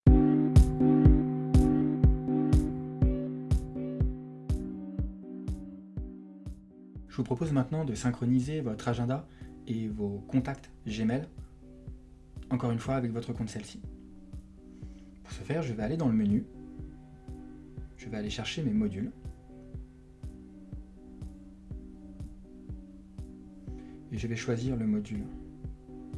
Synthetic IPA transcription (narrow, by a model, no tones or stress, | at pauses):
ʒəvupχɔpozmɛ̃t̪nɑ̃d̪əsɛ̃kχɔnizevɔt̪χaʒɛ̃d̪aevokɔ̃t̪akt̪ | ʒemɛl | ɑ̃kɔʁynfwaːvɛkvɔt̪χəkɔ̃t̪sɛlsi̥ | pu̥ʁsəfɛʁʒəvɛaled̪ɑ̃ləməny | ʒ̥əvɛaleʃɛʁʃememɔd̪yl | eʒəvɛʃwaziʁləmɔd̪yl